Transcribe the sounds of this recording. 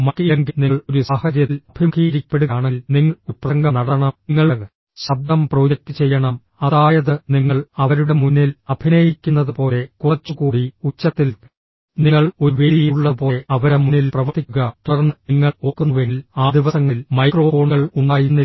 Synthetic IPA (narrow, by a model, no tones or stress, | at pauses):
mɐkijɐŋɡiniɭoɾusaːhɐɾjɐlɐbʱimɐɡiːɾipːe̞ɽuɣaːɳilniŋːɐɭupːrɐsɐŋɡɐnɐɽɐɳɐmŋːɐɭɐ | ɕɐb̚d̪ɐmproːd͡ʑɐk̚t̪ɨt͡ɕe̞jːɐɳɐm | ɐðaːjɐðɨniŋːɐɭɐʋɐɾuɽe̞munːilɐbʱinɐjikʲːunːɐðupo̞ːle̞kurɐt͡ɕːukuːɽiut͡ɕːɐt̪ːil | niŋːɐɭo̞ɾuʋeːɽijiɭːɐpo̞ːeɐʋɐɾɐmunːilprɐʋɐt̪ʰːikʲːuɣɐt̪ɐrnːɨniŋːɐɭoːkːunuʋenlaːd̪iʋɐsɐŋːilmɐjkro̞ːfo̞ːɳɣɐɭuɳɖaːjunːi